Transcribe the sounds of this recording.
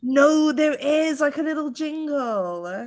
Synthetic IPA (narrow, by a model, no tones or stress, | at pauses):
noʊðə˞ʔɪzlaɪkəlɪɾl̩ˠd͡ʒɪ̃ŋɡəl̩ˠ